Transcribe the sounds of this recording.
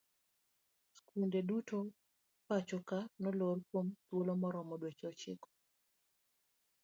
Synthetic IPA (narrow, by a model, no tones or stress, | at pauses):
skundeduto | pat͡ʃokanɔlorkwomt̪wolomɔɾɔmɔdwet͡ʃɔt͡ʃɪ̰kɔ̥